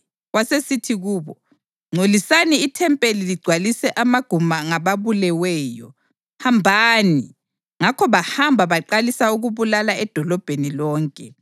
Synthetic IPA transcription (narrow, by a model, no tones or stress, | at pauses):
ɣwasesitʰiɣuːβɔ | ŋ͡ǀʱolisaniːtʰɛmpʼeliliɡ͡ǀʱwalisɛʔamaɡ̥ʱumaŋaβaβulɛwɛːjɔ̰ | hambʱaːni | ŋakʰɔβahambʱaβaǃalisauɣuβulalaɛd̥ʱɔlɔb̥ʱenilɔːŋkʼɛ